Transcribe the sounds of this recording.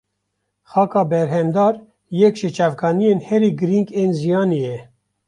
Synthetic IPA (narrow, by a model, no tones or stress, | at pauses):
xɑːkɑːbɛɾɦɛmd̪ɑːɾ | jɛkʃet͡ʃɑːvkɑːnijeːnhɛɾiːɡɨɾiŋkeːnzijɑːnejɛ